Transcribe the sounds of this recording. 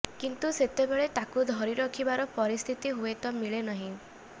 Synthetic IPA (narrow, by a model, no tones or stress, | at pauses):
kint̪uset̪ebeɭet̪akud̪ʱɔɾiɾɔkʰibaɾɔpɔɾist̪ʰit̪iɦuet̪ɔmiɭenɔɦĩ